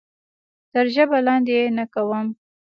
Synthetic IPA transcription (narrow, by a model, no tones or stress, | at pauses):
t̪əɾʒəbalɑnd̪ejenakawəm